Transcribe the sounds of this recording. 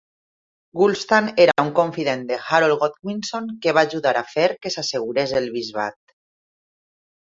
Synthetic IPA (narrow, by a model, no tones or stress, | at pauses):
ɡulst̪aneɾaauŋkoɱfiðend̪exaɾolɣot̪ɣwinsoŋkeβ̞aːʒuðaɾafeɾkesaseɣ̞uɾezelβizβa̰t̪̚